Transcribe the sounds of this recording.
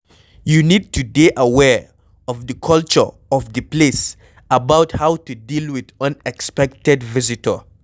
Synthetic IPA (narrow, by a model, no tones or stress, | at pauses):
junid̚tudeʔəwɛɹ | ɔvðəkʰʌlt͡ʃə˞ | ɔvðəples | abawthawtudilwɪðə̃nɛkspɛk̚tɛdvɪzitʰə̰